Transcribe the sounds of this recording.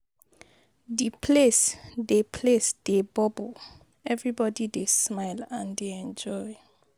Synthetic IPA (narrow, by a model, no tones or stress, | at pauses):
dipʰlesdepʰlesd̥ebɔb | ɛvɹibɔdidesmaɪlãndeɛ̃nd͡ʒɔj